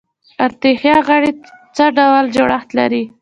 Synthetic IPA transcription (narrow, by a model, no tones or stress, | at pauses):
aɾt̪exjɑɣaɽet͡səɖawəld͡ʒoɽaxt̪la̰ɾi